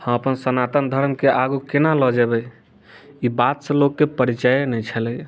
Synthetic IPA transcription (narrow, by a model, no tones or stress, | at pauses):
hə̃əpənsənat̪ənd̪ʱəɾmkeʔaɡukenalɔd͡ʒebɛ | ibat̪sə̃lokːepəɾit͡ʃəjnɛt͡ʃʰəlɛj